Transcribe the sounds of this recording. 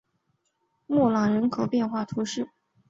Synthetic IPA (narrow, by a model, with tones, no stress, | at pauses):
mɔ˥˩lɑ˨˩ŋɻə˧˥nkʰo˨˩ʊpjɛ˥˧nxwa˥˩t̪ʰu˧˥ʂɻ̩˥˩